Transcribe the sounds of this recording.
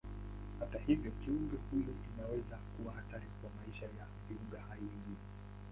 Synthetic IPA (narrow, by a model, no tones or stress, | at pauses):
hatahivjɔkiuŋɡahujɔʔinawɛzakuwahataɾikwamaiʃaja | viuŋɡahaivi